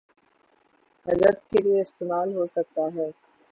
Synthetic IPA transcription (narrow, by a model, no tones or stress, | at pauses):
ɦɐzɾət̪kelieɪst̪eːmaːlɦosɐk̚t̪aɦɛː